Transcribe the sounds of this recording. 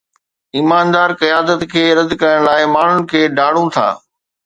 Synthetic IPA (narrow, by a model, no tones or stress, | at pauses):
iːmaːnd̪aːɾkijaːd̪ət̪kʰeːɾɐd̪kɐɾəɽ̃laːɪmaːn̤ʊnɪ̆kʰeːɖaːɽ̤ũt̪ʰa̰ː